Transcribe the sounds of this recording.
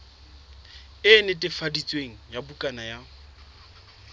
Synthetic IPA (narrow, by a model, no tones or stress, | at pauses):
ɪnɪtʼɪfadit͡sʼweŋ̩jabukʼanaja